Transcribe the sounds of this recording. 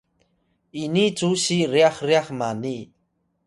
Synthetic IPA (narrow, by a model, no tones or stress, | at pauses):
init͡suɕiriaχriaχmani